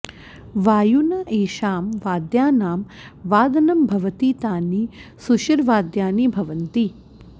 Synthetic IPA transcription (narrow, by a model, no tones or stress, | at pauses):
ʋaːjunɐʔeːʃaːmʋaːd̪jaːnaːm | ʋaːd̪ɐnɐmbʱɐʋɐt̪iːt̪aːnisuʃɐɾʋaːd̪jaːnibʱɐʋɐnt̪i